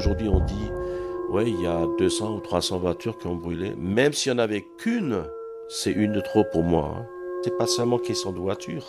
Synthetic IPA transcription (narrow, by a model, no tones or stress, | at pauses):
ʒuʁd̪ɥiɔ̃d̪iwɛiljad̪øsɑ̃ut̪χwasɑ̃vwat̪yʁkʲiɔ̃bʁylḛmɛmsiɑ̃navɛkʰyn | sɛʔynd̪ət̪χopuʁmwa̰ɛ̰̃t̪ɛpasœlmɑ̃kesjɑ̃d̪əvwat̪ʰyːʁ